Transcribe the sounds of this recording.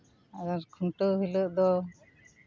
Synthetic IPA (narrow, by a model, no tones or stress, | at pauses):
aɡaɾkʰuɳʈəɦiləʔd̪ɔ